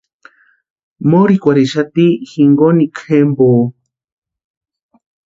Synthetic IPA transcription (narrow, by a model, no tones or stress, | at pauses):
moɾikʷaɾiʃat̪ixiŋɡonikʰhemboː